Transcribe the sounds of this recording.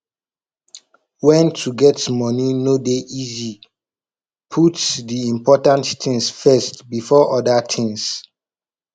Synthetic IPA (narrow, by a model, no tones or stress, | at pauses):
wɛ̃ntʰuɡɛtmɔninodeʔizi | pʰutdiĩmpʰɔtãnttɪ̃ŋsfɛstbifɔʔɔdatʰɪ̃ŋs